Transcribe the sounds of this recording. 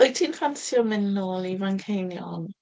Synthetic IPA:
ɔjtʰiːnfʰansjɔmɪnːɔlˠiraŋkʰejnjɔ̰n

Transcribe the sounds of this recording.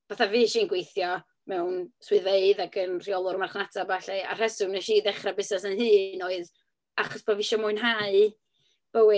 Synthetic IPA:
v̥aθaviːʃiːnɡwejθjɔ | mɛwnswɨðveɨðaɡənr̥iɔlˠʊɾmarχnatʰabaɬɛa̰r̥ɛsʊnɛʃiːdɛχrabɪsnɛsənhɨːnoːɨð | aχɔsb̥ɔvɪʃɔmʊɨnɦaɨ | b̥əwɪ

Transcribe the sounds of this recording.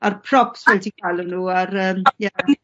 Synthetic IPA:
arpʰrɔpsvɛltʰikʰajlʊnuːaɾəːmja

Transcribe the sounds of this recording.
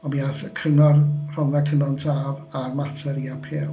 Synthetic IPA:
ɔbiːaθkʰrɪŋɔrr̥ɔnðɛkʰənɔntʰaːvarmatʰɛɾiapʰeː

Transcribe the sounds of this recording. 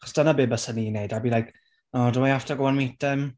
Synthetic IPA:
aχɔ̥sd̥anabɨːbəsəninejdabilˠajkʰ | ɔdəmaaftʰɔɡɔwanmitɛm

